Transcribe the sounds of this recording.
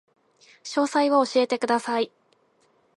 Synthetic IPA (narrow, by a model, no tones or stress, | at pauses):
ɕo̞ːsaiβooɕie̞t̪e̞kɯ̟d̪asai